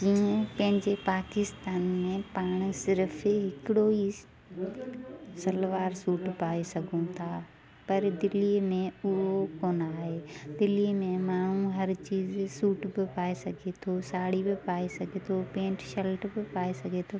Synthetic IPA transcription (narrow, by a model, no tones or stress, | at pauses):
d͡ʑiːə̃pɐ̃ɦɪ̃ɲd͡ʑepaːkɪst̪aːnmẽpaːɽ̃sɪɾfɦɪkɪɽoi | sɐlʋaːɾsuːʈpaːesɐɡʱũt̪ʰaː | pɐɾd̪ɪliːmẽʊɦokoːnaːɦeːd̪ɪlimẽmaːɳ̤ũɦɐɾt͡ɕiːzsuːʈbɪpaːesɐɡʱet̪ʰosaːɽ̤ibɪpaːesɐɡʱet̪ʰopẽːʈʃɐlʈbɪpaːesɐɡʱet̪ʰo